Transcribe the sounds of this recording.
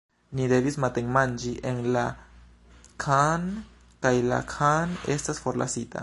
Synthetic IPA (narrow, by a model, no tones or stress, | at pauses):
nid̪e̞vismat̪eŋmand͡ʒiʔenla | kʰan | kajla̰kʰanestasfoɾla̰sita̰